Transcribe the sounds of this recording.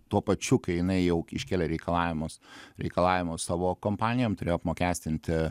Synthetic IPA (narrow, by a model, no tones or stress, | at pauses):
t̪uɔpɐt͡ʃʲʊkɐɪjɪnɐɪjɛʊɪʃʲkʲeːlʲeɾʲɛɪkɐlˠɑːʋʲɪmʊsɾʲɛɪkɐlˠɑːʋʲɪmʊssɑːʋoːkoːmpɑːnʲɪjoːmt̪ʊɾʲeːjoːɐpmoːkʲæːsʲt̪ʲɪnʲt̪ʲɪ